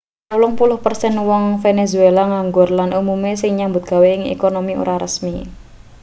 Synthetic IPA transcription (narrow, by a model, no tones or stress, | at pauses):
aulɔŋpulʊhpərsɛnwɔŋfenezuelaŋaŋɡʊrlanumumesɪŋɲambʊt̪̚ɡ̥a̤weɪŋḛkonomiṵɾaɾə̰smi